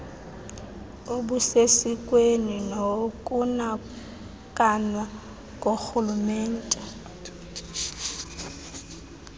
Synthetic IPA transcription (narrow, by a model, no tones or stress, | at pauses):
oɓusesikʼweninokʼuna | kʼanwa | kʼoxulumɛːn̩tʼɛ